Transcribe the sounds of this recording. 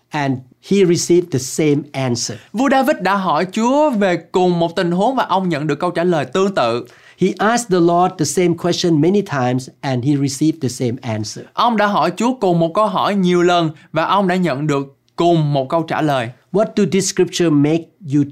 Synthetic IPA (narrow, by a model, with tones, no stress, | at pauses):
ʔɛ̃˨n | hiɹisivd̪əsẽmʔãnsəvu˧ɗaː˧vi˦˥t̚ɗa̰ː˧˥ɦɔ˧˩jt͡ɕu˨˦əve˨˩kʊ˨˩ŋ͡mmo˨˩t̚t̪ï˨˩ŋ̟ɦu˨˦əŋvaː˨˩ʔə˧wŋ͡mɲə̰˧˨nɗɨ˨˩əkːə˧wt͡ɕaː˧˩ləː˨˩jt̪ɨ˧əŋt̪ɨ̰˧˨ | hi˨ʔask̚d̪əlɔd̚dəsẽmkʰwɛst͡ʃə̃nmɛnitʰãjmsʔɛ̃˨nhi˨ɹisivd̪əsẽmʔæ̃nsəʔə˧wŋ͡mɗa̰ː˧˥ɦɔ˧˩jt͡ɕu˨˦əkʊ˨˩ŋ͡mmo˨˩t̚kə˧wɦɔ˧˩jɲi˨˩əwlə˨˩nvaː˨˩ʔə˧wŋ͡mɗa̰ː˧˥ɲə̰˧˨nɗɨ˨˩əkːʊ˨˩ŋ͡mmo˨˩t̚kə˧wt͡ɕa̰ː˧˩ləː˨˩jwɔt̚du˨dɪ˦sːkɹi˦p̚t͡ʃəmek̚ju